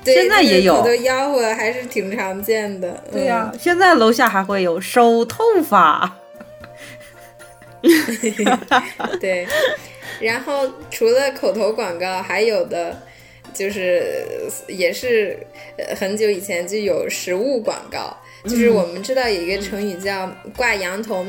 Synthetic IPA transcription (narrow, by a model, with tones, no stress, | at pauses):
t̪we˧jɛ˥˧nt͡sa˥˩ɪjjɛ˨˧˥jo˨˩o˨˩t̪o˥jɑ˥ʊxwɔ˥˩xa˧˥ɪʂɻ̩˥˩t̪ʰi˨˧˩ŋʈ͡ʂʰɑ˧˥ŋt͡ɕjɛ˥˩nd̪ə˩˥˧ɕjɛ˥˧nt͡sa˥˩ɪlo˧˥ʊɕja˥˩xa˧˥ɪxwe˥˩ɪjo˨˩ʊʂo˥ʊt̪ʰo˥˩ʊfa˨˩˦ | t̪we˥˩ɪ | ɻa˧˥nxo˥˩ʊʈ͡ʂʰu˧˥lə˧kʰo˨˩ʊt̪ʰo˧˥ʊkwɑ˨˩ŋkɑ˥˩ʊxa˧˥ɪjo˨˩ʊd̪ə˦ | t͡ɕjo˥˧ʊʂɻ̩˥˩ | jɛ˨˩ʂɻ̩̰˥˩ | xə˧˥nt͡ɕjo˧˥ʊi˨˩t͡ɕʰjɛ˧˥nt͡ɕjo˥˩jo˨˩ʊʂɻ̩˧˥u˥˩kwaɑ̰˨˩ŋkɑ̰˥˧ʊ | t͡ɕjo˥˧ʊʂɻ̩˥˩wɔ˨˩mə˦nʈ͡ʂɻ̩˥t̪ɑ˥˩ʊjo˨˩i˧˥ɡə˧ʈ͡ʂʰɤ˧˥ŋy˨˩t͡ɕjɑ˥˧ʊkwa˥˩jɑ˧˥ŋt̪ʰo˧˥ʊ